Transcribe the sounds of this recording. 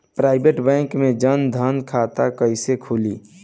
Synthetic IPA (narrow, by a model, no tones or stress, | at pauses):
pɾaɪbeʈbɛ̃ŋkmẽd͡ʒənd̪ʱənkʰat̪akəɪsekʰuli